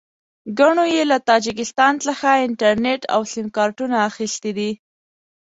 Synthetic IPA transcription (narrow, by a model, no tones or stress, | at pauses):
ɡaɳojelat̪ɑd͡ʒɪk̬ɪst̪ɑnt͡səxaɪɳʈaɾneʈʰa̰wsɪmkɑɾʈunaːxist̪id̪i